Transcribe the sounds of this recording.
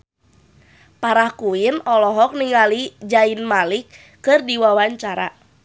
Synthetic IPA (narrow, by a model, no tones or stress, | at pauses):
paɾahkuinɔlɔɦɔk̚niŋalid͡ʒainmalikː | ɨrdiwawaɲt͡ʃaɾa̰